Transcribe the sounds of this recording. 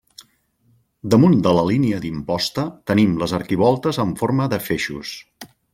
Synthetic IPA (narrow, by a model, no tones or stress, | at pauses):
d̪əmund̪ələliniəd̪impɔst̪ət̪ənimləzəɾkiβ̞ɔlˠt̪əzəɱfoɾməðəfeʃṵs